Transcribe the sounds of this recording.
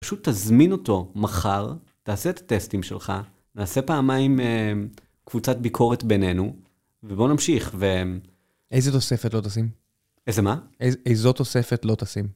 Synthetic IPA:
paʃut̪ːazmino̞to̞maχaʁ | taːseːt̪ḁt̪e̞stimʃḛlχa | naːse̞paːmajme | kvut͡satbikʰo̞ʁet̪bene̞nu | vebo̞namʃiχve | ejzet̪o̞sefetlo̞t̪asim | ezemaeejzo̞t̪osefetlo̞t̪asim

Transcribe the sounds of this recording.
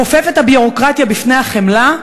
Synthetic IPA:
ofe̞fet̪habiʁokʁat̪jabifne̞jhaχemla

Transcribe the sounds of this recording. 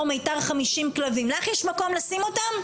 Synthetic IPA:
mejtaʁχamiʃimklavimlaχjɛʃmako̞mlasimo̞tam

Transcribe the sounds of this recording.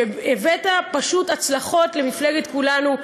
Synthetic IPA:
evetapaʃutat͡slaχo̞tle̞mifleɡet̪kulanu

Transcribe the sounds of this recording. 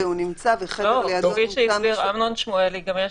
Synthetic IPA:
unimt͡saveχelolaoɡiʃeibiʁamnonʃmoeliɡamje

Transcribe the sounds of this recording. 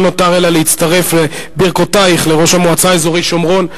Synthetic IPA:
no̞taʁelaleit̪t͡staʁe̞flebiʁkotaiχleʁo̞ʃhamoat͡saezo̞ʁiʃo̞mʁo̞n

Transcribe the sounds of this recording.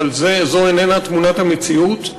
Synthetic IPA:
lzezo̞enenat̪munat̪hamet͡siut̪

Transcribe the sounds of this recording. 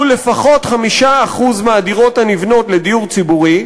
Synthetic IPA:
le̞faχo̞tχamiʃaːχuzmaːdiʁo̞thanivno̞tle̞diuʁt͡sibuʁi

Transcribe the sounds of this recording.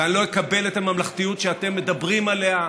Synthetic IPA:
anlojekabe̞let̪amamlaχt̪ijut̪ʃeat̪e̞mːe̞d̪abʁimale̞a

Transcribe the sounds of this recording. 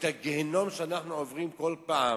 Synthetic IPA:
t̪haɡehenomʃeanaχnuovʁimkolpaa

